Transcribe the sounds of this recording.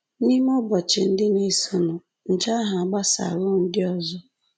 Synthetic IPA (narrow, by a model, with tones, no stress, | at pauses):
ni˦m˦ɔ˦bɔ˨t͡ʃɪ˨n̩˦dɪ˦ne˦sʊ˦˨nʊ˨ | n̩˨d͡ʒa˦ɦa˨a˨ɡ͡ba˦sa̰˨lʊ˦n̩˦dɪ˦ɔ˦zɔ˦